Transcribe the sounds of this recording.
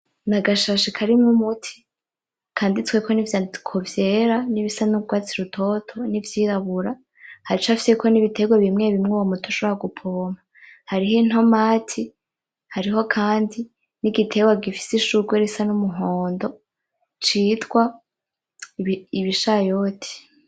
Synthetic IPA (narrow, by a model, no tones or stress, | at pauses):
naɡaʃaʃikʰaɾimŋumutʰi̥ | kʰaːndit͡swekʰo̞nivjakʰovjeːɾaniβisanuɡwaːt͡siɾutʰo̞tʰo̞nivjiːɾaβuɾa | haɾit͡ʃafisekʰo̞niβitʰe̞ɡweβimŋe̞βimŋuwomutʰuʃoβoɾaɡupʰoːma | haɾiɦin̥ho̞maːtʰi | haɾiɦo̞kʰaːndi | niɡitʰe̞ɡwaɡifi̥siʃuɡweɾisanumuɦoːndo̞ | t͡ʃiːtɡwa | iβiʃajo̞ːtʰi̥